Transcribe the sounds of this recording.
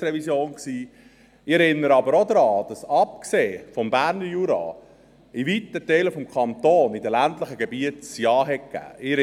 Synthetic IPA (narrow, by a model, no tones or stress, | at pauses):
ɾɛvisjoːnksiː | ɪɛɾɪnːəɾəɑbəɾod̪ɾɑːd̥ɑsɑp̚kseːfɔmbæɾnəjuːɾɑ̰ː | ivit̪ətɛləfɔmkʰɑnt̪oːnidəlæntləχəɡebiətsjɑːɦɛtkæ̰ːɪ